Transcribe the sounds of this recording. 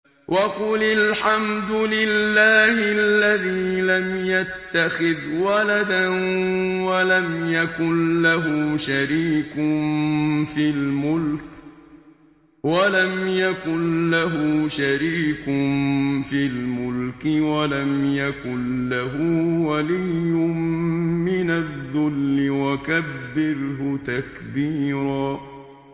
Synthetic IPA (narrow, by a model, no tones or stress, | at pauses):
wʔɑqʊlalħamd̪ʊlɪlːaːhɪalːaðiːlamjat̪ːaxɪðwalad̪anwalamjakʊnlaɦʊʃaɾiːkʊnfilmʊlk | walamjakʊnlaɦʃaɾiːkʊmfilmʊlkɪwalamjakʊnlaɦʊwalijːʊmmɪnaðːʊlːɪwakabːɪɾɦʊt̪akbiːɾaː